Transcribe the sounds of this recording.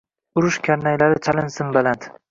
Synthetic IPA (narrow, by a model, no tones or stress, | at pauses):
ʊɾʊʃkʲʰaɾnajlaɾɪt͡ʃʰalɪnsɪnbalant̪